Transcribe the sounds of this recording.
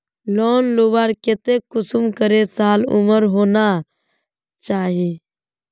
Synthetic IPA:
loːnloʋaːɾket̪ekʊsʊmkəɾesaːlʊ̰məɾɦoːna | t͡ʃaːɦiː

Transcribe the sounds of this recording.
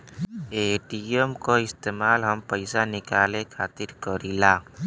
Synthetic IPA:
eːʈiemkoɪst̪eːmaːlɦəmpəɪsanɪkaːlẽkʰaːt̪ɪɾkəɾilaː

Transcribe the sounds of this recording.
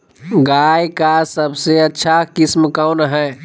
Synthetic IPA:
ɡajkasəbʱseətːʃʰakismkawnɦɛ̃

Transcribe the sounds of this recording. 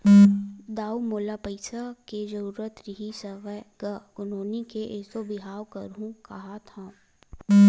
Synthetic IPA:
d̪aːumoːlapəɪsaked͡ʒɐɾuːɾət̪ɾɪɦisəʋɛɡəʊnoːnikeʔɛsobɪɦaːwkɐɾũkɐɦat̪ʰã

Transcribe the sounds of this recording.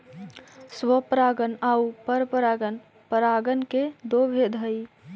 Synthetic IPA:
swəpɾaɡənaupəɾpəɾaɡən | pəɾaɡənked̪obʱed̪ʱəj

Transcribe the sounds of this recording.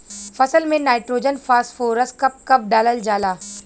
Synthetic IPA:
fɐsəlmẽnaːɪʈɾoːd͡ʒənfaːsʈfoːɾəskɐp̚kɐp̚ɖaːləld͡ʒaːlaː

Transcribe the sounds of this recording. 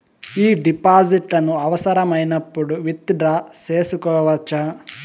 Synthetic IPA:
iːɖipaːd͡ʒiʈlɐnuɐʋɐsɐɾɐmɐjnɐpːuɽuʋit̪ːid̪ɾaːt͡ʃeːsukɔːʋɐt͡ʃːa

